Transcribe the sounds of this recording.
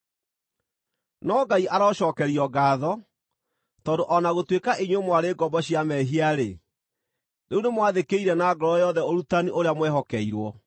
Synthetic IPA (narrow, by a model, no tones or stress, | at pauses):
nɔɡaiʔaɾaɔɔʃɔːkɛɾiɔɡaːðɔ | tɔːndoʔɔnaɣotwekaʔeɲwemwaɾeːɡɔbɔɕiamɛɦiaɾe | neunemwaðekeiɾɛnaɡɔɾɔjɔðɛoɾutaniʔoɾeamwɛɦɔkɛiɾwɔ